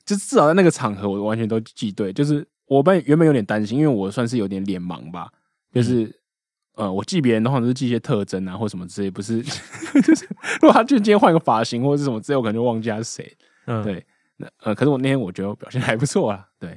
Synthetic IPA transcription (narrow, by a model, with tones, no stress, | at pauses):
t͡ɕo˥˧ʂ̩˥t͡s̩˥˩˨t͡sa˥˧na˥˩ɡə˩ʈ͡ʂʰɑ˨˩ŋxɤ˧˥wɔ˨˩wa˧˦nt͡ɕʰɛ˧˥nt̪̬o˥ʊt͡ɕi˥˧t̪we˥˩ɪt͡ɕjo˥˧ʊʂ̬ɻ̩˥˩ | wɔ˨˩p̬ɥɛ˧˥nbe˨˩j̪ʲɛ˨˩t̪a˥nɕi˥ŋi˥nwe˥˩wɔ˨˩swa˥˧nʂ̬̩˥˩jo˧˥t̪jɛ˧˦nljɛ˨˩˥nmɑ̰˧˦ŋba̰˧ | t͡ɕjo˥˧ʊʂɻ̩˥˩ | ə˧wɔ˨˩t͡ɕi˥˩pjɛ˧˥ə˧nd̪ə̃˧˥˨ʂ̩˥t͡ɕi˥˧˥ɕjɛ˧˥t̪ʰɤ˥˧ʈ͡ʂə˥na˧˦xɔ˥˩ʂə˨˩mə˦˩t͡sɹ̩˧e˥˩ɪpu˧˦ʂ̬ɻ̩˥˩t͡ɕʊ˥˩ɻu˥ɡ̪ʰa˥t͡ɕo˥i˥jxwa˥˧n˧˥ɡə˧˩fa˨˥ɕi˧˥ŋxwɔ˥˩˧ə˩ʂ̬̩˥˩ʂmə˦t͡sɹ̩˥˧wkʰə˨˩˧t͡ɕwŋt͡ɕi˥˧˩t̪ʰa˥ʂ̩˥˩ʂḛ˧˥ɪ | we˥˩ɪ | na̰˥˧ə˧kʰʂɻ̩˥wnʰ˥˩jɛ˥wɔ˨˩t͡ɕɥɛ˧˥ə˧˥pjʊɕjɛ˥˧nxa˧˥ɪpu˧˥t͡sʰwɔ˥˩lɐ˩t̪we˥˩ɪ